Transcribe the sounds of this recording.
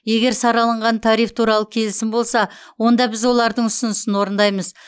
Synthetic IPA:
je̞ɡʲe̞ɾsɑɾɑlˠəɴʁɑnt̪ʰɑɾijft̪ʰuɾɑlˠəkʲʰe̞lɪsɪmbo̞lˠsɑ | wo̞nd̪ɑbɪzwo̞lˠɑɾd̪əɴʏsʊnɪsɪnwo̞ɾənd̪ɑjməz

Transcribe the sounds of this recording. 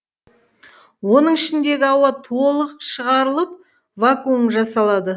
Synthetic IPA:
wo̞nəɴɪʃɪnd̪e̞ɡʲɪɑwɑt̪ʰo̞lˠəqəʃəʁɑɾəlˠəp̚ | vakuəmʒɑsɑlˠɑd̪ə

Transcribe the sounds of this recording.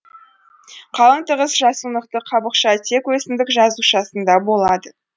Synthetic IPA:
qʰɑlˠəɴt̪əʁəsʒɑsənəqt̪əqʰɑbəqʃɑt̪ʰe̞kwɵsɪmd̪ɪkʒɑzuʃɑsənd̪ɑbo̞lˠɑd̪ə

